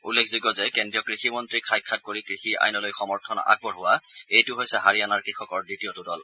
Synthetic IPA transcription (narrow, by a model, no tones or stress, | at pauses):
ulːekʰziɡɔzɛkɛndɹijɔkɹiximɔntɹikʰajkʰːat̚koɹikɹixiʔa̰jnɔlojxɔmɔɹtʰɔnɔ̰ʔa̰ɡ̚bɔɹɦʊwaejtʊɦojsɛɦaɹianaɹkɹixʰɔkɔɹdɹitiɔtʊdɔl